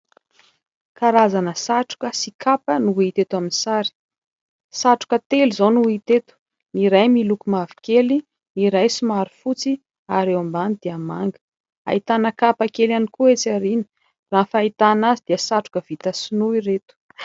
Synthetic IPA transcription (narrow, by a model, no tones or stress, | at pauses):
kaɾazanəsaʈ͡ʂu̥kəsikʰapənuit̪et̪uaminsaɾi̥ | saʈ͡ʂu̥kət̪elizonuit̪et̪u̥ | niɾajmilukumav̥i̥kʲeli | niɾajsumaɾufut͡si | aɾewambanid̪̥iama̰ŋɡə̥ | a̰it̪anəkapakelanikuet͡saɾinə̥ | raːnfait̪anazid̪̥iəsaʈ͡ʂu̥kəv̥it̪əsinuiret̪u̥